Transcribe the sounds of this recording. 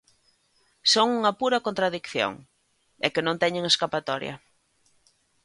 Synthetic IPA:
soŋuŋɐpuɾɐkont̪ɾaðikθjo̰ŋ | ɛkɪnõnt̪ɛɲeŋeskapat̪ɔɾjɐ̰

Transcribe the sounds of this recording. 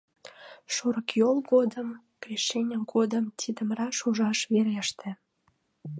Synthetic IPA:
ʃoɾəkjolɡod̪əm | krʲiʃenʲəmɡod̪əmt̪ʰid̪əmɾɑʃuʒɑʃβeɾeʃt̪ĕ

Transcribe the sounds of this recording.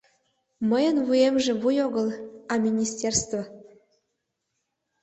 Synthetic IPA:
məjə̆nvujemʒĕβujoɡə̆lɑmʲinʲisʲtʲerst̪vo

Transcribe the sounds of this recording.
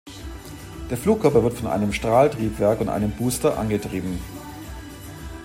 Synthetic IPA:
d̥eːɐfluːkʰːœɐpɐvɪɐtfɔnʔa̰ɪnəmʃtʁ̥aːltʁ̥iːpv̥ɛɐkʊntʔa̰ɪnəmbuːstɐʔa̰nɡətʁ̥iːbm̩

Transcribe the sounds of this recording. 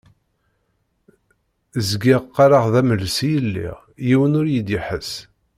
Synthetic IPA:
zɡɪʁqːaɾaʁðæməlsijəlːḭʁ | jiwənʊɾjid̪iħəs

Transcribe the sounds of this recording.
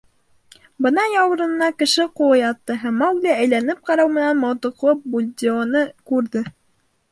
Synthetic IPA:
bɤ̆nɑjɑw̆ɾɤ̆nnɑkɘ̆ʃɘqulˠɤjɑt̪ːɤɦæmːæwɡlʲææjlænɘp̚qɑɾɑwmɘ̆nænmɑwt̪ɤ̆qlˠɤp̚bulʲd̪ʲionɤkʉɾðɘ

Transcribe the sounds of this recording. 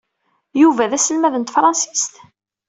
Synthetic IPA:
juvæðæsəlmæðənt̪fɾˤɑnsi̥st̪

